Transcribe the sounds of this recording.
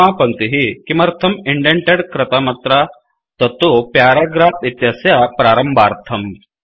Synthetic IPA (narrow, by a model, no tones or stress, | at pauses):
apɐnt̪iɦikimɐɾt̪ʰɐmiɳɖeɳʈeɽkɾɐt̪amɐt̪ɾa | t̪ɐt̪opjaːɾaɡɾaːpit̪jasjapɾaːɾəmbaːɾt̪ʰɐm